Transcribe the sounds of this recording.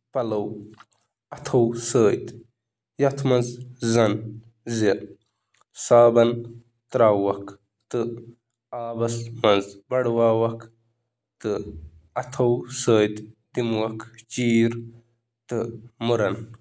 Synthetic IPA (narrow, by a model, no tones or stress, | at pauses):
pɐlɐw | ɐt̪ʰɐwsəːjd̪ | jɐt̪ʰmɐnzzɐn | zi | saːbɐn | t̪ɾaːwːɐkʰ | t̪ɨ | aːbɐsmɐnzbɐɽwaːwɐkʰ | t̪ɨ | ɐt̪ʰɐwsəːjd̪d̪imwɐkʰt͡ʃiːɾ | t̪ɨmuɾɐn